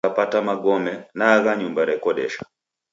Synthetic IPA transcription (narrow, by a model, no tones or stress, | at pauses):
apatamaɡɔmɛnaɣaɲumbaɾɛkɔɗɛ̰ʃḁ